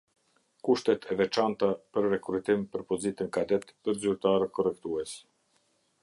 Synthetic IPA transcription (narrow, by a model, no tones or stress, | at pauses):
kuʃt̪ɛt̪ʰɛvɛt͡ʃant̪apəɾːɛkɾut̪impəɾpɔzit̪ənkad̪ɛt̪pəɾzyɾt̪aɾəkɔrɛkt̪uɛs